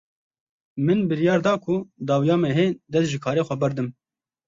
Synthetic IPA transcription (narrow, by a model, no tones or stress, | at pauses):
mɨnbɨɾjɑːɾd̪ɑːkʰʊd̪ɑːwijɑːmɛɦeːd̪ɛsʒɨkʰɑːɾeːxʷɛbɛɾd̪ɨm